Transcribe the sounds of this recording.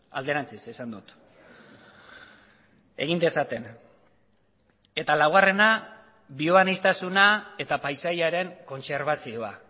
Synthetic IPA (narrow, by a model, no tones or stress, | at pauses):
a̰ld̪e̞ɾant͡sisesand̪ut̪ | e̞̰ɣ̞ind̪e̞sat̪e̞n | e̞t̪alawɣare̞na | bio̞βanist̪asunae̞t̪apajsajaɾe̞ŋko̞nse̞ɾβ̞asio̞a